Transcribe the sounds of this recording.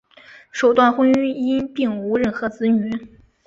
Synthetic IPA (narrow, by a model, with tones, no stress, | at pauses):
ʂo˨˩ʊt̪wa˥˩nxwə˥ŋy˥i˥i˥npi˥˩ŋu˧˥ɻə˥˩nxɤ˧˥t͡sɹ̩˧˥ny˧˥